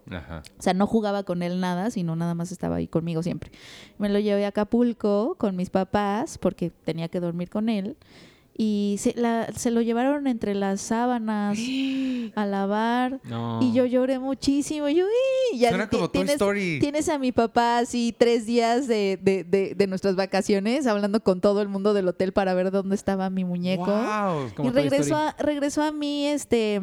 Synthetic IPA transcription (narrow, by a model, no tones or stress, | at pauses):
a̰ha̰oseano̞xuɣaβako̞ne̞lnaðasino̞naðamas̬e̞st̪a̰βa̰ḭko̞nmiɣo̞s̬je̞̰mpɾe̞me̞lo̞ʝe̞βe̞akapulko̞ko̞nmispapaspo̞ɾke̞t̪e̞niake̞ðo̞ɾmiɾko̞ne̞l | iselase̞lo̞ʝe̞β̞aɾo̞ne̞nt̪ɾe̞lasːaβanas | alaβaɾiʝo̞ʝo̞ɾe̞mut͡ʃisimoʝuiʝakt̪jenesoɾije̞ne̞samipapaːsit̪ɾe̞zðiazðe̞ðeðeðe̞nwest̪ɾazβakasjo̞ne̞saβland̪o̞ko̞nt̪o̞ð̞o̞e̞lmũnd̪oð̞e̞lo̞t̪e̞lpaɾaβ̞e̞ɾðo̞nd̪est̪aβamimũɲe̞ko̞wireɣɾesore̞ɣɾe̞so̞amie̞st̪e̞